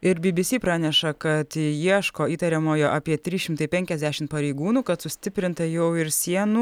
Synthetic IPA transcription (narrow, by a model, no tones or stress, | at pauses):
ɪɾbʲɪbʲɪsʲiːpɾɑːnʲɛʃɐkɐt̪jiɛʃkoːiːt̪ɐɾʲɛmoːjoːʔɑːpʲiɛt̪ʲɾʲiːʃʲɪmt̪ɐɪpʲɛŋʲkʲɛzʲd̪ʲæːʃʲɪmt̪pɐɾʲɛɪɡuːnuːkɐt̪sʊsʲt̪ʲɪpʲɾʲɪnt̪ɐjɛʊɪɾsʲiɛnu